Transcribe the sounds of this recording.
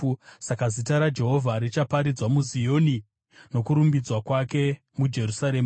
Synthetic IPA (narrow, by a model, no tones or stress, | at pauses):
sakazitaɾad͡ʒe̞ɦo̞vʱaɾit͡ʃapaɾid͡zwamuzijo̞ni | no̞kuɾumbid͡zwakwake̞ | mud͡ʒe̞rusaɾeːma